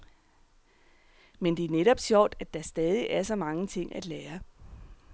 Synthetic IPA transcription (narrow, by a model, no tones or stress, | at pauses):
mend̥e̝æɐneɾɒ̽b̥ɕjɒʊ̰d̥æd̥ɑ̈sd̥ɛːð̞ˠiʔæɐsɒ̽mɑ̈ŋət͡sʰe̝ŋ̰ʔæd̥leːɐ